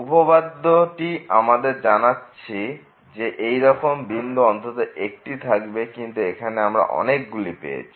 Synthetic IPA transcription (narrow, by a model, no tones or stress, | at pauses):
upobad̪ːoʈiamad̪eɾd͡ʑanatːɕʰi | d͡ʑeʔejɾɔkombind̪uɔnt̪ot̪oek̚ʈit̪ʰakbekint̪uekʰaneamɾa̰ʔɔ̰nekɡulipḛḛt͡ɕʰi̥